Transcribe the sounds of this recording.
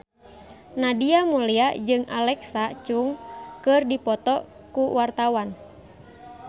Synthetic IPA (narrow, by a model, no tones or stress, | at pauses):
nadiamuliad͡ʒɨŋʔalɛksat͡ʃuŋkɨrdipɔt̪ɔ | kuwart̪awan